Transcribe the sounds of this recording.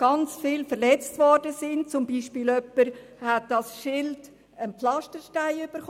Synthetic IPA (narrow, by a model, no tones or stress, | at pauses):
ɡ̥ɑnt͡sfɪlfəɾlɛt͡stvɔɾdəsɪnt̚t͡sʊmbiːʃpiːlœpːəɾ | hæt̚d̥ɑsʃɪld | ənplɑʃtəɾʃtaɪyb̥əɾχ